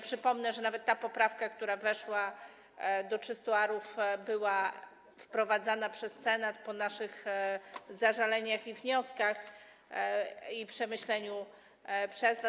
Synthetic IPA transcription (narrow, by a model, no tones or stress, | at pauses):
pʂɘpɔmnɛʐɛnavɛt̪ːapɔpɾafkakt̪uɾavɛʂwa | d̪ɔtt͡ʂɘst̪uaɾufbɘwa | fpɾɔvad̪zanapʂɛssɛnat̪pɔnaʂɘɣ | zaʐalɛɲaxivɲɔskax | ipʂɛmɘɕlɛɲu | pʂɛzva